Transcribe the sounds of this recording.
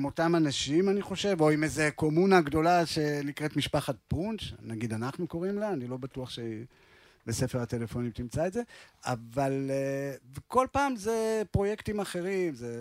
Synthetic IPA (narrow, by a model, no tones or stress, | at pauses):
mo̞tamanaʃimaniχo̞ʃe̞vo̞imeze̞ko̞munaɡdo̞laʃe̞nikʁetmiʃpaχat̚punt͡ʃnaɡidanaχnuko̞ʁimlanilo̞batuaχʃe | bese̞feʁate̞le̞fo̞nimtimt͡saedze̞aval | veko̞lpaːmze̞pʁo̞je̞ktimaχe̞ʁimze